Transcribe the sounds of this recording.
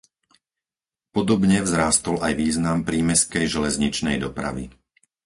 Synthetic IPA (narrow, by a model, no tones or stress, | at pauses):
pɔd̪ɔbɲɛvzɾaːst̪ɔlajʋiːznampɾiːmɛskɛjʒɛlɛzɲit͡ʃnɛjd̪ɔpɾa̰ʋḭ